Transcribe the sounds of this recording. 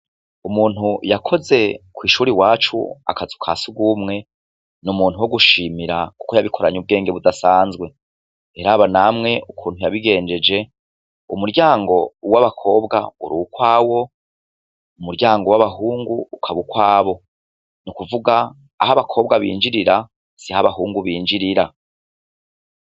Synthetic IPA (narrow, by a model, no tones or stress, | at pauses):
umuːn̥hujakʰo̞ze̞kwiːʃuːɾiwaːt͡ʃṵa̰kazukʰa̰ːsuɡumŋe̞ | numuːn̥huwo̞ɡuʃiːmiɾaku̥kojaβikʰoɾaɲub̚ɡe̞ːŋɡe̞βudasaːnzɡwe̞ | eɾaβanamŋe̞ʔukʰuːn̥hujaβiɡe̞ːnd͡ʒe̞d͡ʒe̞ | ṵmuɾɟaːŋɡo̞waβakʰo̞ːbɡa̰uɾukwaːwo̞ | umuɾɟaːŋɡo̞waβaɦuːŋɡuːkʰaβukwaːβo̞ | nukuvuɡaː | haβakʰo̞ːb̚ɡaβḭːnd͡ʒiɾiɾa | sihaβaɦuːŋɡuβiːɲd͡ʒiɾiɾa